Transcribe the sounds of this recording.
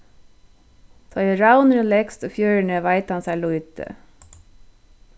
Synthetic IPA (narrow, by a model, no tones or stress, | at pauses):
t̪ʰɔʏəɹaʊnɾəlɛkst̪oːfjøːɹɳəʋæɪt̪hɑnsæːlʊʏt̪ʰə̰